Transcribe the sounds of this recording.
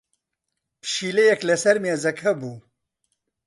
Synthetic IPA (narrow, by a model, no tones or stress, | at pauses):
pʃiːlejɛklɛsɐɾmjeːzɐkʰɐbuː